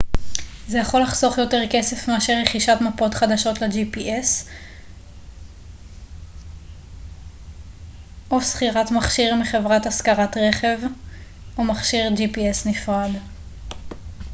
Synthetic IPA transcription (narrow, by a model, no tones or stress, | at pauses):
ze̞jaχo̞laχso̞χjo̞te̞ʁke̞se̞fmeaʃeʁeχiʃatmapo̞tχad̪aʃo̞tled͡ʒipiʔes | ʔosχiʁatmaχʃiʁmiχe̞vʁataskaʁatʁe̞χe̞v | ʔomaχʃiʁd͡ʒipiesnifʁad̪